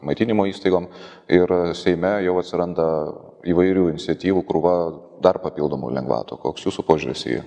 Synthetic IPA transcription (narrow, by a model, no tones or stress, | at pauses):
mɐɪt̪ʲiːnʲɪmoːiːst̪ɐɪɡoːm | ɪɾsʲɛɪmʲɛjɛʊɐt̪ʲsʲɪɾɐnd̪ɐ | iːʋɐɪɾʲuːɪnʲɪt̪sʲɛt̪ʲiːʋukʊɾuːʋɐ | d̪ɐrpɐpʲiːlˠd̪oːmṵlʲɛŋɡʋɑ̰ːt̪o̰ːkoːksjuːsupoːʒʲuɾʲɪ̰sḭː